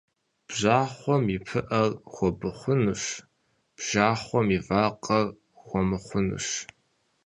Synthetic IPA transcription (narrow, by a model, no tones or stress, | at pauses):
b̥ʑaːχʷɔmipʰɨʔɐrxʷɔbɨχʷʊnɨʂ | b̥ʒ̥aːχʷɔmivaːqʼɐr | xʷɔmɨχʷʊnɨ̰ʂ